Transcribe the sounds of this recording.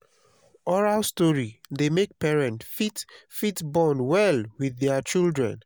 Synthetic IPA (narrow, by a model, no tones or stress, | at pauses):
ɔɹalstɔɹidemek̚pɛɹɛ̃ntfitfitbɔnwɛlwiðɛt͡ʃildɹɛ̰̃n